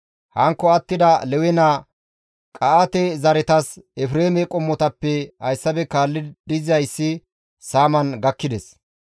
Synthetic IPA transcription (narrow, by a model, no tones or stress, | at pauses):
hɐŋkːɔɐt̪ːɪd̪ɐlɛwɛnɐ | kʼɐʔat̪ɛzɐɾɛt̪ɐsɛfɾeːmɛkʼɔmːɔt̪ɐpːɛhɐjsːɐbɛkaːlːɪd̪ɪzɐjsːɪ | saːmɐnɡɐkːɪd̪ɛs